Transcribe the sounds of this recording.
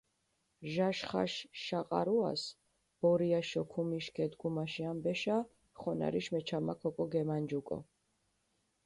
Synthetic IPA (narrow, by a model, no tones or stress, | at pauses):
ʒaʃχa̰ʃʃaqʼa̰ɾua̰s | b̥ɔɾiaʃɔkʰumiʃkʰɛd̪ɡumaʃiambɛʃa | χɔna̰ɾiʃmɛt͡ʃʰamakʰɔkʼɔɡɛmand͡ʒukʼɔ̰